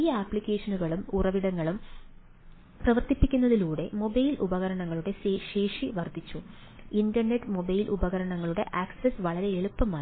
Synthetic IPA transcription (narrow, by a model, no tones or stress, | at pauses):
ijɐaːpːɭikʲːe̞ːʂɐnuɣɐɭumurɐʋiɽɐŋːɐɭum | prɐʋɐrt̪ipːikʲːunːɐðiluːɽe̞mo̞bɐjlʔubɐɣɐɾɐɳɐŋːɐɭuɽe̞ɕe̞ːʂiʋɐrd̪ʱit͡ɕːu | indɐrneʈːɨmo̞bɐjlʔubɐɣɐɾɐɳɐŋːɐɭuɽe̞̰ʔaːkssesʋɐɭɐɾe̞eɭupːɐmaː